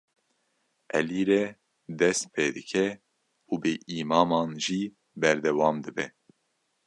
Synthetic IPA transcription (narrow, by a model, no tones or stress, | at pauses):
ʔɛ̰liːɾɛ | d̪ɛst̪̚pʰeːd̪ɨkʰɛ | uːbɨʔiːmɑːmɑːnʒiː | bɛɾd̪ɛwɑːmd̪ɨbɛ